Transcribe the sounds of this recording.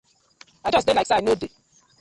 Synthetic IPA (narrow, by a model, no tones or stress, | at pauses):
ad͡ʒʌsdelajkseanode